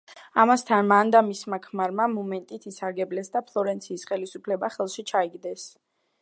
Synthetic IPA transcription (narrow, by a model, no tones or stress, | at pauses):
amast̪ʰanmand̪amismakʰmaɾmamɔmɛnt̪ʼit̪ʰisaɾɡɛblɛsd̪apʰlˠɔɾɛnt̪sʰiːsχɛlisupʰlɛbaχɛlˠʃit͡ʃʰaiɡd̪ɛs